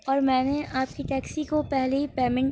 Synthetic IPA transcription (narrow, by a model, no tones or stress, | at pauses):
ɔːɾmɛ̃ːneaːp̚kiʈɛːksikopɛɦleipeːmɪ̃ɳʈ